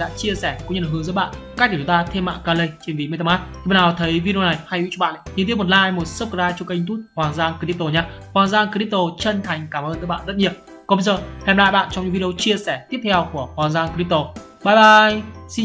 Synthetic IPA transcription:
ɗa̰ː˧˥t͡ɕi˧əsɛ˧˩kṵ˧˥ŋ͡mɲə̰˧˨˩ɨ˨˦əzə̰ː˨˦ɓa̰ː˧˨nka˦˥k̪̚ʰːt͡ɕŋ͡mt̪aː˧t̪ʰe˧mːa̰ː˧˨nkaː˧˩lə˧jt͡ɕe˧nvḭ˨me˧t̪ə˧maː˦˥t̪̚i˨˩ɓa˧˨naː˨˦˩t̪ʰə˨˦jvi˧i˧o˧na˨˩jha˧jwḭ˧˥t͡ɕɔ˧ɓa̰ː˧˨nʔɲɨ˧t̪i˦˥əmo˨˩t̚laː˧jmo˨˩t̚sə˦˥p̚kaː˧jt͡ɕɔ˧ka˧t̪u˦˥t̚hwaː˨˩ŋzaː˧ŋki˧ɾi˦˥p̚t̪o˧˩ɲaː˧hwaː˨˩ŋzaː˧ŋkə˧i˦˥p̚t̪o˧˩t͡ɕə˧nt̪ʰa˨˩jŋ̟kaː˧˩mʔəː˧t̪ɨː˨˦jɓa̰ː˧˨zə˦˥t̚ɲi˨˩əw | kɔ˨˦ɓə˧jzəː˨˩hɛ˧mla̰ː˧˨jɓa̰ː˧˨nt͡ɕɔ˧wɲɨ̰˧˥vi˧i˧o˧t͡ɕi˧əsɛ˧˩t̪i˦˥əp̚t̪ʰɛ˧wku˧˩əhwaː˨˩ŋzaː˧ŋkːi˦˥p̚t̪o˨˩ | ɓaː˧˩jɓaː˧˩jsi˧

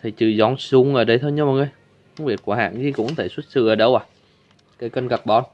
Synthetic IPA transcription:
t̪ʰi˨˩t͡ɕɨ̰˧˩zɔ˧˩nsu˧ŋʔəː˧˩ɗə˧jt̪ʰo˧jɲə˧ma˨˩ŋə˧˦j | kɔ˧ŋ͡mvi˨˩ət̚ku˧˩əɦa̰ː˧˨ŋzi˧˦kʊ̰˧˥ŋ͡mŋ˧t̪ʰe˧˩swə˦˥t̚sɨ̰˧˩ʔəː˧˩ɗə˧wʔaː˨˩ | kaː˨˦jkə˧nɣa˨˩k̚ɓɔ˧n

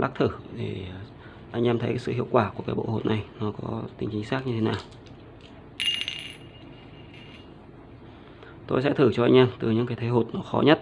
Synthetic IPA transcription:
la̰ː˦˥k̚t̪ʰɨ˧˩ɗe˨˩ | ʔa˧jŋ̟ʔaː˧mt̪ʰə˨˦kaː˨˦jsɨ̰˧˨hḭ˧əwkwaː˧˩ku˧˩kaː˨˦jɓo̰˧˨ho˨˩t̚na˨˩jnɔ˨˦kɔ˨˦t̪ï˨˦ŋ̟t͡ɕi˨˦ŋ̟saː˦˥k̚ɲɨ˧t̪ʰe˨˦naː˨˩w | t̪o˧jsɛ̰˧˥t̪ʰɨ˧˩t͡ɕɔ˧ʔa˧jŋ̟ʔɛː˧mt̪ɨ˨˩ɲɨ̰˧˥ŋkaː˨˦jt̪ʰə˨˦jɦo˨˩t̚nɔ˨˦xɔ˨˦ɲə˦˥t̚

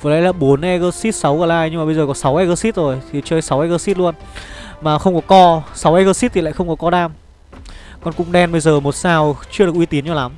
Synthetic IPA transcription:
və˨˦la̰˨˦laː˨˩ɓo˨˦nʔɛ˧ɣəː˧si˦˥t̚sa˨˦wɣəː˨˩laː˧jɲɨ˧ŋmaː˨˩ə˧jzəː˨˩kɔ˨˦sa˨˦wʔɛ˧ɣəː˧si˦˥t̚zo˨˩jt̪ʰi˨˩t͡ɕəː˧jsa˨˦wʔɛ˧ɣəː˧si˦˥t̚lu˧ənmaː˨˩xə˧wŋ͡mkɔ˨˦kɔ˧sa˨˦wʔɛ˧ɣəː˧si˦˥t̪̚ʰi˨˩la̰ː˧˨xə˧wŋ͡mkɔ˨˦kɔ˧ɗaː˧m | kɔ˧nkʊ̰˧˥ŋ͡mɗɛ˧nɓə˧jzəː˨˩mo˨˩t̚saː˧wt͡ɕɨ˧əɗɨ˨˩kʔi˧t̪i˨˦ənt͡ɕɔ˧la˨˦m

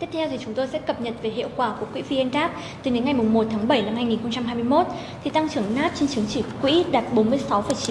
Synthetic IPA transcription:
t̪i˦˥ət̪̚ʰɛ˧wt̪ʰi˨˩t͡ɕʊ˨˦ŋ͡mt̪o˧jsɛ̰˧˥kə˨˩p̚ɲə˨˩t̚ve˨˩ɦḭ˧˨əwkwaː˧˩ku˧˩əkwḭ˧˥vi˧ʔe˧nɗaː˦˥p̚ | t̪ɨ˨˩ɗe˨˦nŋa˨˩jmʊ˨˩ŋ͡mmo˨˩t̚t̪ʰaː˨˦ŋɓə˧˩jna˧mhaː˧jŋi˨˩nxə˧ŋ͡mt͡ɕa˧mɦaː˧jmɨ˧ə˧jmo˦˥t̚ | t̪ʰi˨˩t̪a˧ŋt͡ɕɨ˧˩əŋnaː˦˥p̚t͡ɕe˧nt͡ɕɨ˨˦əŋt͡ɕi˧˩kwḭ˧˥ɗaː˨˩t̚ɓo˨˦nmɨ˧əjsa˨˦wfə˧˩jt͡ɕi˨˦

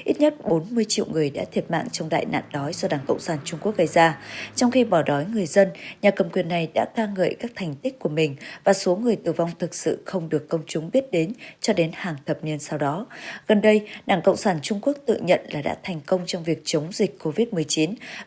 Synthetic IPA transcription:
ʔi˦˥t̚ɲə˦˥t̚ɓo˨˦nmɨ˧əjt͡ɕḭ˧˨wŋɨ˨˩əjɗa̰ː˧˥t̪ʰi˧˩ət̚ma̰ː˧˨ŋt͡ɕɔ˧wŋ͡mɗa̰ː˧˨jna̰ː˧˨nɗɔ˨˦jzɔ˧ɗaː˧˩ŋkə̰˧˨wŋ͡msaː˧˩nt͡ɕʊ˧ŋ͡mku˦˥ək̚ɣə˧jzaː˧t͡ɕɔ˧wŋ͡mxi˧ɓɔ˧˩ɗɔ˨˦jŋɨ˨˩əjzə˧nɲaː˨˩kə˨˩mkwi˨˩ənːa˨˩jɗa̰ː˧˥kaː˧ŋə̰ː˧˨jkaː˦˥k̚t̪ʰa˨˩jŋ̟t̪i˦˥k̟̚ku˧˩əmï˨˩ŋ̟vaː˨˩so˨˦ŋɨ˨˩əjt̪ɨ˧˩va˧wŋ͡mt̪ʰɨ˨˩k̚sɨ̰˧˨xə˧wŋ͡mɗɨ˨˩əkːə˧wŋ͡mt͡ɕʊ˨˦ŋ͡mɓi˦˥ət̚ɗe˨˦nt͡ɕɔ˧ɗe˨˦nhaː˨˩ŋt̪ʰə˨˩p̚ni˧ənsa˧wɗɔ˨˦ɣə˨˩nɗə˧jɗaː˧˩ŋkə̰˧˨wŋ͡msaː˧˩nt͡ɕʊ˧ŋ͡mku˦˥ək̚t̪ɨ̰˧˨ɲə̰˧˨nlaː˨˩ɗa̰ː˧˥t̪ʰa˨˩jŋ̟kə˧wŋ͡mt͡ɕɔ˧wŋ͡mvi˨˩ək̚t͡ɕə˨˦wŋ͡mzï˨˩k̟̚ʲko˧vi˦˥t̚mɨ˨˩əjt͡ɕi˨˦n

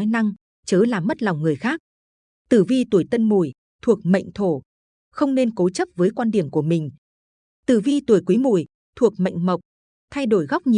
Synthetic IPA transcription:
jna˧ŋ | t͡ɕəː˨˦laː˨˩mːə˦˥t̚la˨˩wŋ͡mŋɨ˨˩əjxaː˦˥k̚ | t̪ɨ˧˩vi˧t̪u˧˩əjt̪ə˧nmu˧˩j | t̪ʰu˨˩ək̚mə̰˧˨jŋ̟t̪ʰo˧˩ | xə˧wŋ͡mne˧nko˨˦t͡ɕə˦˥p̚vəː˨˦jkwaː˧nɗi˨˧˩əmku˧˩əmï˨˩ŋ̟ | t̪ɨ˧˩vi˧u˧˩əjkwi˨˦mu˧˩j | t̪ʰu˨˩ək̚mə̰˧˨jŋ̟mə˨˩wk͡p̚ | t̪ʰa˧jɗo˧˩jɣa˦˥k͡p̚ɲi˨

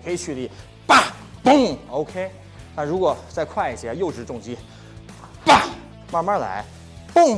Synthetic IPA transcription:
kʰə˧˥i˨˩t͡ɕʰy˥˧li˥˩ | pa˥˩ | pʊ˥˩ŋo˧ʊkʰe˥ɪ | na˥˩ɻu˧˥kwɔ˨˩t͡sa˥˧ɪkʰwa˥˩ɪi˨˩t͡ɕʰjɛ˧˥jo˥˩ʊʈ͡ʂɻ̩˧˥ʈ͡ʂʊ˥˩ŋt͡ɕi˥˩ | pa˥˩ | ma˥˧ma˥la̰˧˥ɪ | pʊ˥˩ŋ

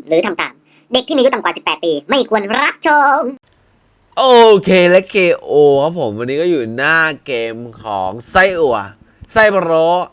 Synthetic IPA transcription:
ɾɯː˨˩˦t̪ʰa˧mt̪a̰ː˨˩m | de˨˩k̪̚ʰiː˥˩m˧˦u˦˥t̪kwaː˨˩si˨˩pːɛː˨˩t̪̚piː˧ma˥˩jkʰu˧ənɾa˦˥p̚t͡ɕʰo˧ŋ | ʔoː˧kʰeː˧lɛ˦˥kʰːeː˧ʔoː˧kʰa˦˥pʰo˩˦mʔa˧nːiː˦˥kɔː˥˩juː˨˩naː˥˩keː˧mkʰɔː˩˦ŋsa˥˩jʔu˨˩ɐ | sa˥˩jpʰɾoː˦˥

